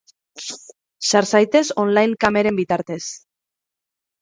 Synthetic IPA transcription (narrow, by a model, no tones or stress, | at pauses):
saɾsajt̪e̞so̞nlajŋkame̞ɾe̞mbit̪aɾt̪e̞s